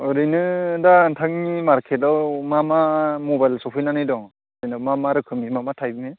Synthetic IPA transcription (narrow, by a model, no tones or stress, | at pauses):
ɔɾɯjnɯdaɯntʰaŋ̚nimaɾkʰetawmamamɔbajlsɔpʰijnanɯjdɔŋ | zɯjnɯmamaɾɯkʰɯmimamatʰajbmi